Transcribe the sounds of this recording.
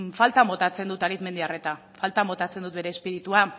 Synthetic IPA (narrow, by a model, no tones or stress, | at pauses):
falt̪amo̞t̪at͡se̞nd̪ut̪aɾit̪me̞nd̪iare̞t̪a | falt̪amo̞t̪at͡se̞nd̪ut̪̚beɾe̞ːspiɾit̪ua